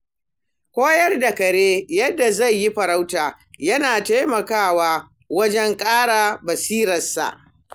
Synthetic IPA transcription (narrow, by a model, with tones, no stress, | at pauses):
kʷoː˦jɐ˦rda˨kɐ˨ɽeː˦jɐ˦dːa˨za˦˨jːi˦ɸɐ˨ɾa˦wtaː˨ | jɐ˦naː˨ta˦jmɐ˨kaː˦˨waː˦ | wɐ˦d͡ʒɛ˦ŋkʼaː˦ɽa˨bɐ˨siː˦ɾɐ˨sa̰˨ʔ